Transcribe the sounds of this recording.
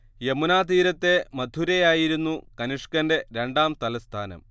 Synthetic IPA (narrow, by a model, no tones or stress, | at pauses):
je̞munaːt̪iːɾɐt̪ːe̞mɐd̪ʱuɾejaːjiɾunːukɐniʂkɐnde̞ɾe̞ɳɖaːmt̪ɐlɐst̪ʰaːnɐ̰m